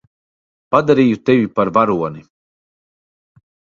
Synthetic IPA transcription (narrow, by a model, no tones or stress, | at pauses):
pad̪aɾiːjut̪evipaɾvaɾuɔni